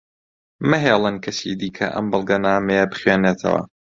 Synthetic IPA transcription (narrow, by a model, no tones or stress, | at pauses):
mɨɦeːlˠɨnkʰɐsḭd̪iːkʰɐ̰ʔɐ̰mbɨlˠɡɐnaːmejɐbɨχɥeːnet̪ʰɐ̰wɐ̰